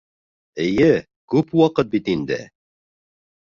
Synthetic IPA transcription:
ɘ̆jɘ | kʉpwɑqɤt̪̚bit̪ind̪ɘ̰

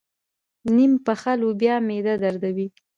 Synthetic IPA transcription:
nimpəxalobjɑmed̪ad̪aɾd̪awi

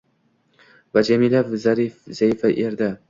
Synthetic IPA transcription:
vad͡ʒamilavzaɾifz̥ajfaʔeɾd̪a

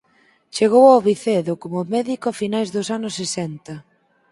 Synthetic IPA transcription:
t͡ʃeɣ̞owawβiθeðʊkomʊmɛðikʊafinajzðʊsanʊsːesɛnt̪ɐ

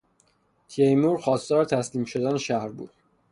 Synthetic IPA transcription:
t̪ʰiejmuːɾxɒːst̪ɒːɾet̪ʰæsliːmʃod̪æneʃæhɾbṵːd̥̪

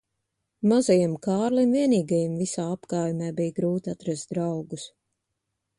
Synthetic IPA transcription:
mazajimkaːɾlimviɛniːɡajimvisaːapkaːjumɛːbijɡɾuːt̪at̪ɾast̪̚d̪ɾawɡus

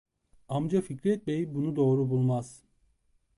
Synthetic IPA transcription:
amd͡ʒaficɾɛt̪̚mejibunud̪o̞ːɾubulˠmaz̥

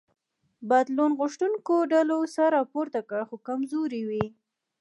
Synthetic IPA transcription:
bad̪lonɣʊʃʈ̪uŋkoɖalosaɾɑpoɾt̪akəɽxokamzoɾiwi

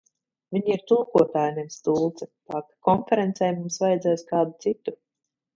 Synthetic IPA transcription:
vʲiɲiɾt̪ulˠkuɔt̪aːjnɛvst̪uːlˠt̪sɛ̥t̪aːkakɔnfeɾent̪sɛjmumsvajɛd̪zɛːjskaːd̪ut̪sit̪u̥

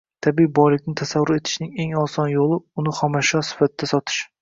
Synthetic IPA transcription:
t̪ʰabibɒjlɪk̚ʲnɪt̪ʰasavːʊɾe̞t̪ʰɪ̥ʃnɪŋe̞ŋɒsɒnjolˠɪʊnɪχɒmaʃɒsɪ̥fat̪̚ɪd̪̥asɒt̪ʰɪ̥ʃ

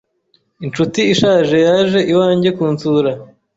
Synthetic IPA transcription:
int͡ʃutiːʃaːʒe̞jaːʒe̞ʔiwaːɲɟe̞kuːnt͡suɾa

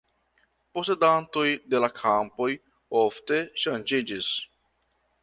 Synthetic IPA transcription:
posed̪ant̪ojd̪elakʰampoj | oft̪eʃand͡ʒid͡ʒis

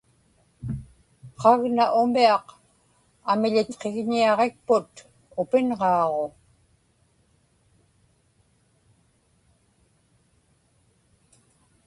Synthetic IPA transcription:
qɑɣnaʔʊmiɑq | amɪʎɪt̪qe̞ɣɲiɑʁe̞k̚pʊt̪ | ʊpɪnʁɑːʁo̞

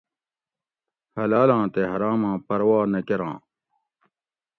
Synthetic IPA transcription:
hɐlaːlãːt̪eɦɐɾãːmãːpɐɾwaːnɐkeɾã̰ː

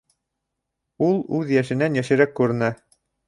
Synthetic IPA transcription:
ulˠʉðjæʃɘ̆nænjæʃɘ̆ɾækːʉɾɘ̆næ

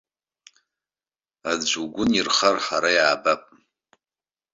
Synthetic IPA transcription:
ad͡ʒʷuɡʷʊnirχarħaɾajaːbapʼ

